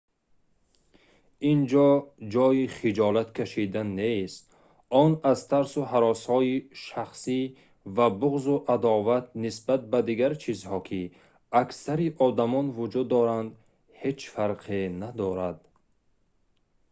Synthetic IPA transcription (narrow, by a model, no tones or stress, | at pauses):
ind͡ʒɔd͡ʒɔiχid͡ʒɔlat̪kʰaʃid̪anːest̪ | ɔnazt̪ʰaɾsuɦaɾɔshɔiʃaχsi | vabuʁzuʔad̪ɔvat̪̚nisbat̪̚bad̪iɡaɾt͡ʃʰizhɔkʰi | aksaɾiʔɔd̪amɔnvud͡ʒud̪ːɔɾand̪ | he̞t͡ʃfaɾqʰenad̪ɔɾad̪̚